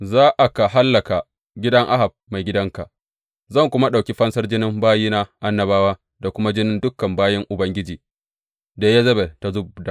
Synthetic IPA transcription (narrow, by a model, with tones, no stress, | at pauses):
zaː˦ʔa˨ka˨ɦa˦lːɐ˨ka˨ | ɡʲɪ˦dɐ˦ŋʔa˦ɦa˨b̚ma˨jɡʲɪ˦dɐ˦ŋka˨ʔ | zɐ˦˨ŋkʷʊ˦ma˦ɗa˨wkʲi˦ɸɐ˦nsɐ˦rd͡ʒɪ˦nɪ˦mbaː˦jiː˦na˦ʔa˦nːɐ˨baː˦waː˦ | da˨kʷʊ˦ma˦d͡ʒɪ˦nɪ˦ndʊ˦kːɐ˨mbaː˦jɐ˦ŋʔʊ˨bɐ˦ŋɡʲɪ˦d͡ʒiː˨ | da˨ja˦zɐ˦be˨ta˨zʊ˦b̚da˨ʔ